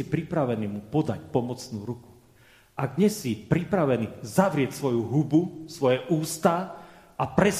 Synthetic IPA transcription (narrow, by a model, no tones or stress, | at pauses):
ipɾipɾaʋɛniːmupɔd̪a̰cpɔmɔt͡snuːɾuku̥ | aɡɲɛsipɾipɾaʋɛnizaʋɾɪɛcsʋɔjuɦubusʋɔjɛʔuːst̪a | ʔapɾɛs